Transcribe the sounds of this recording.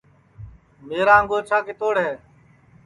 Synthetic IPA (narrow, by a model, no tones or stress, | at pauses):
meːɾaːəŋɡoːt͡ʃʰaːkeːt̪oːɽɦeː